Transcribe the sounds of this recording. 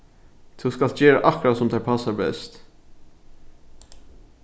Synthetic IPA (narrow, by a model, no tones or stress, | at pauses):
t̪ʰuskɑlt̪d͡ʒeːɾaʔɑkɾasɔmd̪æpʰɑsaɾbɛ̰st̪